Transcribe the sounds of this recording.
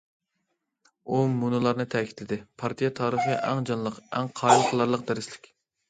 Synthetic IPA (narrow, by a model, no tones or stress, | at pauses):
umunɨlˠɑɾnɨt̪ʰɛkʲi̥t̪lɪd̪ɪpʰɑɾt̪ʰijɛt̪ʰɑːɾɨχɨʔɛŋd͡ʒɑnlˠəqɛŋqʰɑːjilˠqʰəlˠɑɾlˠəq̚d̪æɾɪslɪkʲ